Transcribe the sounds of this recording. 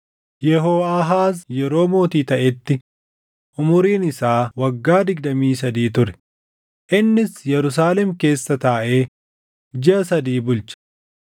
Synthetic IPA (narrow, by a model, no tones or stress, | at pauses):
jɛɦo̞ːɐɦaːsjɛɾo̞ːmo̞ːt̪iːt̪ɐʔɛt̪ːɪ | ʔʊmʊɾiːnɪsaːwɐɡːaːd̪ɪɡ̚d̪ɐmiːsɐd̪iːt̪ʊɾɛ̥ | ʔɪnːɪsjɛɾʊs̬aːlɛmke̞ːsːɐt̪aːʔeː | d͡ʒɪɐsɐd̪iːbʊlt͡ʃɐ̥